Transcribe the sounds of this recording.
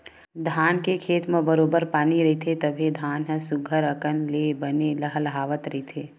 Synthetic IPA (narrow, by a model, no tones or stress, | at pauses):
d̪ʱaːnkekʰeːt̪mẽbəɾoːbəɾpaːniɾɐɦit̪ʰet̪əbʱed̪ʱaːnɦə̃sʊɡʱəɾəkənleːbəneləɦəlɦaːʋət̪ɾɐɦit̪ʰeː